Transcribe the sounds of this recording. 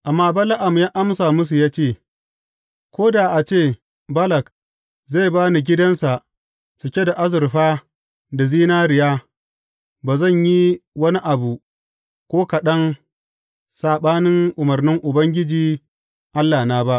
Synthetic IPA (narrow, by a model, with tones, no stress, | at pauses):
ʔa˨mːaː˦ba˦la˦ʔa˨m˨jaː˦ʔa˦msaː˨mʊ˦s̬u˨jaː˦t͡ʃeː˦˨ | kʷoː˦daː˨ʔa˨t͡ʃeː˦˨ | bɐ˦lɐ˨k | za˦˨baː˦ni˨ɡʲɪ˦dɐ˦nsa˨ʔ | sʊ˨kʲe˦da˨ʔa˦zɪ˨ɾɸaː˦ | da˨ziː˦naː˦ɾɪ˨jaː˦ | baː˨zɐ˦˨ɲji˦wɐ˦ni˦ʔa˨bu˨ | kʷoː˦kɐ˨ɗɐ˦n | saː˨ɓaː˦nɪ˦ŋʔʊ˨mɐ˨rnɪ˦ŋʔʊ˨bɐ˦ŋɡʲɪ˦d͡ʒiː˨ | ʔa˦lːaː˨naː˦ba˦ʔ